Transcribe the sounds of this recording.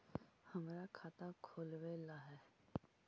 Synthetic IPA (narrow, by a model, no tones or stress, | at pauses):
həmɾakʰaːt̪akʰoːlʋelaɦɛː